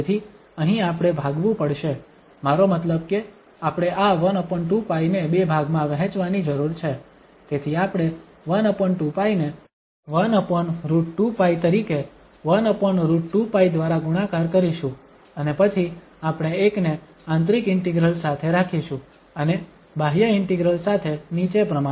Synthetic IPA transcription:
et̪ʰi | əɦĩapɽ̃ebʱaɡʋũpəɽʃe | maɾomət̪ləb̚ke | apɽ̃eʔaʋənəpəɳʈũpainebebʱaɡmãʋəɦɛ̃t͡ʃʋanid͡ʒəɾuɾt͡ʃʰe | t̪et̪ʰiapɽ̃e | ʋənəpəɳʈũpaine | ʋənəpəɳɾuʈupait̪əɾike | ʋənəpəɳɾuʈʈupaid̪ʋaɾaɡuɽ̃akaɾkəɾiʃũ | ənepət͡ʃʰi | apɽ̃eekne | ãnt̪ɾikɪɳʈiɡɾəlsat̪ʰeɾakʰiʃũ | əne | bʱaɦjəɪɳʈiɡɾəlsat̪ʰenit͡ʃepɾəma

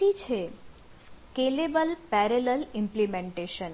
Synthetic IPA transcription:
it͡ʃʰe | kelebəlpɛɾeləlɪ̃mplimẽɳʈeʃən

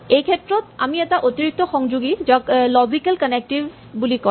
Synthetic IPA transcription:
ejkʰɛtɹɔta̰miɛtaʔotiɹik̚tɔxɔŋd͡ʒuɡizɔklɔzikalkənek̚tiv | bulikɔ

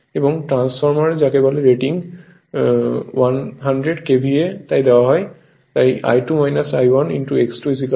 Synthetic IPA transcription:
ebɔŋʈɹãnspʰɔɹmaɹd͡ʒakebaleɹeʈiŋ | wanɦandɹeɖkebʱiet̪ajd̪ɛwaɦɔj | t̪ajʔa̰jʈumajnasajwɔnḭnʈueksʈɔizik

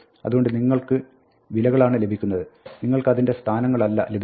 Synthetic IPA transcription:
ɐ̰ðuɣo̞ɳɖɨniŋːɐɭkɨ | ʋilɐɣɐɭaːɳɨle̞bʱikʲːunːɐðɨniŋːɐɭkɨɐðinde̞st̪ʰaːnɐŋːɐɭɐlːɐ̰le̞bʱ

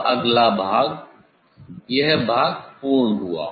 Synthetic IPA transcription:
ɐɡlabʱaːɡ | jɐɦbʱaːɡpuːɳɦua̰ː

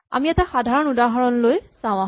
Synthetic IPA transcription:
a̰miɛtaxadʱaɹɔnudaɦaɹɔnlojsãw̃a

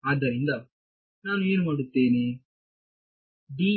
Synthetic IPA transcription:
aːd̪ːɐɾind̪ɐ | naːnueːnumaːɽut̪ːeːni | ɖiː

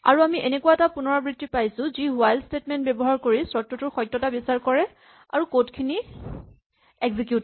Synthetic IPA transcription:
a̰ɹuamiʔenekuaɛtapʊnɔɹɔbɹitːipajsʊ̃ziɦʊajlstetmɛnt̚bɛbɔɦaɹkoɹisɹɔtːɔtʊɹxɔjtːɔtabisaɹkɔɹɛ | a̰ɹukotkʰini | eɡzikjut

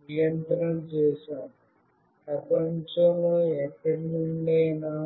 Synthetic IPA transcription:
jɐnt̪ɾɐmt͡ʃeːsaːm | pɾɐpɐɲt͡ʃɐmuɛkːɐɽinuɳɖeːnaː

